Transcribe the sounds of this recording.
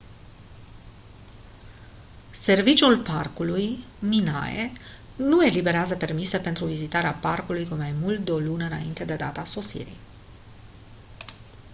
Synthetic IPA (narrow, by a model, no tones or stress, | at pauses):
se̞rvit͡ʃulparkuluj | mina̰jḛ | nue̞libe̞ɾeazəpe̞rmise̞pe̞nt̪ɾuvizit̪aɾeaparkulujkumajmult̪̚d̪eo̞lunəɨna̰ḭnt̪e̞d̪e̞d̪at̪aso̞sḭɾḭ